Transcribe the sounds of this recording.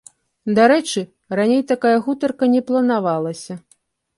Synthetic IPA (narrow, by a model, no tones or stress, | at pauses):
d̪aɾɛt͡ʂɨ | ranʲejt̪akajɐɣut̪ɐrkɐnʲɛplˠɐnavalˠɐsʲɐ